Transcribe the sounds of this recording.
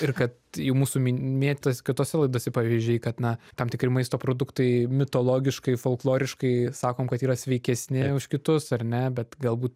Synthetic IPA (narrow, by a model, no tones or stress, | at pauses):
ɪrkɐt̪jɛʊmuːsumʲmʲiːtʲt̪ɐsʲkʲɪt̪oːsʲɛlˠɐɪd̪oːsʲɛpɑʋʲiːzʲd͡ʒʲɛɪkɐt̪nɐt̪ɐmt̪ʲɪkɾʲɪmɐɪst̪oːpɾoːd̪ʊkt̪ɐɪmʲɪt̪oːlˠoːɡʲɪʃkɐɪfoːlˠklˠoːɾʲɪʃkɐɪsɑːkoːmkɐt̪iːɾɐsʲʋʲɛɪkʲɛsʲnʲɪʊʃkʲɪt̪ʊsɐrnʲɛbʲɛt̪ɡɐlˠbuːt̪